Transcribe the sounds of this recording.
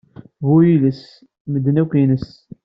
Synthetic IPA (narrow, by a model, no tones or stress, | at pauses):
vujiləs | məd̪ːnækʷinəs